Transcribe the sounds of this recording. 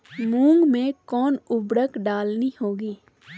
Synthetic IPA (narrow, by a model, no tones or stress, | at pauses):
mũːŋɡmẽkɔːnʊbɽəkɖaːlnihoːɡiː